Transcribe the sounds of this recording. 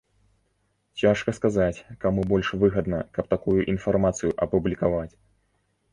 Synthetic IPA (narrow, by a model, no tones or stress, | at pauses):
t͡sʲaʂkɐskazat͡sʲkamubɔlʲʂvɨɣɐd̪nɐ̰kɐpt̪akujuʔinfarmat̪sɨjuʔɐpublʲikavat͡sʲ